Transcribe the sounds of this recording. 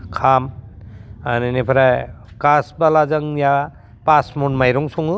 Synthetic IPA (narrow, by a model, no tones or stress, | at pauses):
kʰam | aninipʰaɾaj | kasbalazaŋja | pasmɔnmajɾɔŋsɔŋɯ